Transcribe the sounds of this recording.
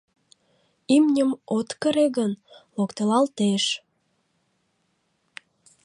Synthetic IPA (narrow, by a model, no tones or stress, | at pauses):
imnʲəmot̪kəɾeɣənlokt̪əlɑlt̪eʃ